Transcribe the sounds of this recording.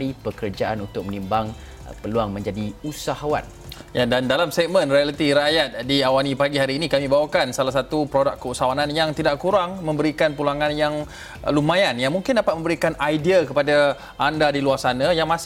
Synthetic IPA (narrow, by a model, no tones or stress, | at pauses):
ipəkərd͡ʒaʔa̰nunt̪ʊk̚mənimbaŋ | pəluaŋmə̃ɲd͡ʒadiusaɦawa̰t̪̚jadandalamsɛk̚mə̃nrialət̪iɾajat̪̚diawanipaɡiɦaɾiːnikamibawakansalahs̬at̪upɾodakːəusaawanãnjaŋt̪idaʔkuɾaŋmə̃mbəɾikanpulaŋãnjaŋ | lumãjanjaŋmuŋkɪndapat̪̚mə̃mbəɾikanajdiakəpada | ʔandadiluarsanãjaŋmãs